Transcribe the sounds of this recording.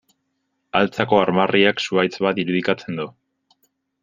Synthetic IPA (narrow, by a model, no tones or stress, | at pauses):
alt͡sako̞aɾmariaksuajt͡sβat̪iɾuðikat͡se̞nd̪u